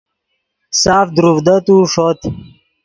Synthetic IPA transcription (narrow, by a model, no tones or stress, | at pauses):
saːfd̪ɾufd̪ət̪uʂot̪